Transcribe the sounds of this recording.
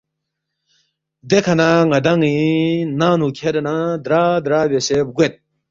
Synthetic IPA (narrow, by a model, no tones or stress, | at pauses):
d̪ekʰɐnaŋɐd̪aŋĩnaːnukʰeɾenad̪ɾaːd̪ɾaːbeseb̚ɡwet̪̚